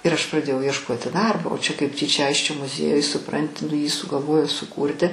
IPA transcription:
ɪr ɐʃ prɐˈdʲeːjɛʊ iɛʃˈkoːtʲɪ ˈdɐrboː oː t͡ʃʲɛ kɐɪp ˈtʲiːt͡ʃʲɛ ˈɐɪsʲt͡ʃʲoː mʊˈzʲiɛjʊj sʊˈprɐnʲtʲɪ nʊ jiː sʊɡɐlˠˈʋoːjoː sʊˈkuːrʲtʲɪ

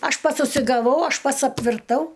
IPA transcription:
ˈɐʃ ˈpɐts ʊʃʲsʲɪɡɐˈʋɐʊ ˈɐʃ ˈpɐts ɐpʲʋʲɪrˈtɐʊ

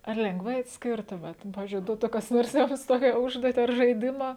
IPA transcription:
ɐr lʲɛŋɡˈʋɐɪ ɐtʲsʲˈkʲɪrtʊmʲeːt nʊ ˈpɑːʋʲɪzʲd͡ʒʲʊɪ ˈduɔtʊ kɐs ˈnoːrs ˈjʊms ˈtoːkʲɛ ˈʊʒduɔtʲɪ ɐr ʒɐɪˈdʲɪmɐ

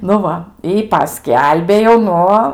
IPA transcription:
nʊ ˈʋɐ ɪ pɐˈsʲkʲɛlʲbʲeː jɛʊ ˈnʊ

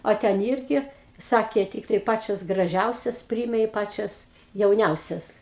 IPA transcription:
oː ˈtʲɛn ˈɪrʲɡʲɪ ˈsɑːkʲeː ˈtʲiːktɐɪ ˈpɑːt͡ʃʲɛs ɡrɐˈʒʲɛʊsʲɛs ˈpʲrʲiːeːmʲɛ ɪ ˈpɑːt͡ʃʲɛs jɛʊˈnʲɛʊsʲɛs

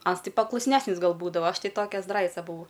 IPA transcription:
ˈɐns ˈtɐɪ pɐklˠʊsʲˈnʲæːsʲnʲɪs ˈɡɐlˠ ˈbuːdɐʋɐ ˈɐʃ ˈtɐɪ ˈtoːkʲɛ ˈzdrɐɪt͡sɐ bʊˈʋɐʊ

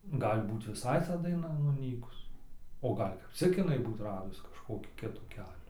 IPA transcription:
ˈɡɐlʲ ˈbuːt ʋʲɪˈsɐɪ tɐ dɐɪˈnɐ nʊˈnʲiːkʊs oː ˈɡɐlʲ kɐp ˈt͡sʲɪk ɪˈnɐɪ ˈbuːt ˈrɑːdʊs kɐʃkoːˈkʲiː ˈkʲɪtuː ˈkʲæːlʲuː

